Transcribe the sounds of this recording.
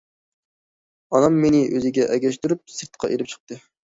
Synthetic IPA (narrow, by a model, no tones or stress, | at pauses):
ɑnɑmːenɪʔøzɪɡʲɛʔɛɡʲɛʃt̪yɾyp̚sɨɾt̪qʰɑ̰ʔelɪp̚t͡ʃʰə̥q̚t̪ɨ